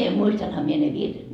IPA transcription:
muistɑnhɑ mie ne ʋirːet

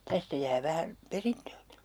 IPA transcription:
tæstæ jæː ʋæhæn̞ perintøːki̥

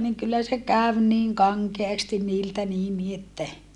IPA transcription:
niŋ kylːæ se kæʋ niːŋ kɑŋkeɑstin niːltæ niːn ni etːæ

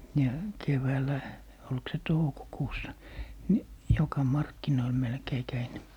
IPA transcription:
jɑ keʋæːlæ olk se toukokuːsːɑ ni jokɑ mɑrkːinoil melkei kæin

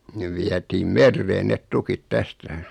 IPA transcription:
neʋ ʋiætiːm merːeːn net tukit tæstæ

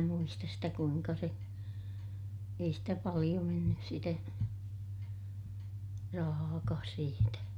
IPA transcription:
muistɑs sitæ kuiŋkɑ se ei stæ pɑlij̆o menːys sitæ rɑhɑːkɑːs siːtæ

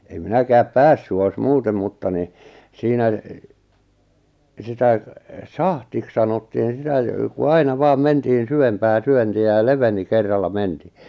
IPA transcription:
em minækæːp pæsːy ois muːtem mutːɑ ni siːnæ sitæ sɑhtiks sɑnotːiːn̞ sitæ jŏ ku ɑinɑ ʋɑːm mentihin̞ syʋempæː syøntiæ jɑ leʋeni kerːɑlːɑ mentiː

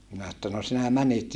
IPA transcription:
minæ etːæ no sinæ mænit

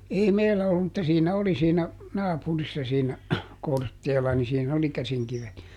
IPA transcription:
ei meilːæ olːum mutːɑ siːnæ oli siːnæ nɑːpurisːɑ siːnæ kortːeːlɑ ni siːn oli kæsiŋkiʋet jɑ

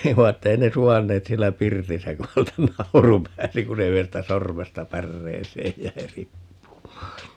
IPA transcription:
ei ʋɑ etːæ ei ne suʋɑnːeːt sielːæ pirtisæ ku hæltæ nɑuru pæːsi ku se yhestæ sormestɑ pærːeːseːj jæi ripːumɑː

